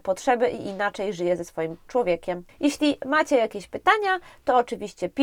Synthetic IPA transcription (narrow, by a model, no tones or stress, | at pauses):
pɔtʂɛbɘʔḭʔinat͡ʂɛjʐɘjɛzɛsfɔjimt͡ʂwɔvʲjekʲɛmjɛɕlʲimat͡ɕɛjakʲeɕpɘt̪aɲat̪ɔɔt͡ʂɘvʲiɕt͡ɕɛpʲ